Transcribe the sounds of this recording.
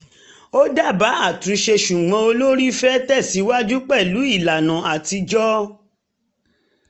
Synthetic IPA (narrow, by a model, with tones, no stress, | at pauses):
o˦da˦˨ba˨˦a˦˨tũ˨˦ʃe˧ʃu˨ɡ͡bɔ̃˧o˧lo˦ɾi˦fɛ˦tɛ˦˨si˨˦wa˦d͡ʒu˦k͡pɛ˦˨lu˨˦i˦˨la˨nã˨a˨ti˧d͡ʒɔ˦